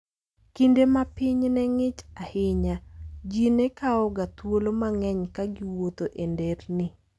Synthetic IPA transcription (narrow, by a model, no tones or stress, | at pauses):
kindemapɪɲnɛŋɪt͡ʃahɪɲad͡ʒinɛkaɔɡat̪wolomaŋɛɲkaɡɪwot̪oʔendɛɾnɪ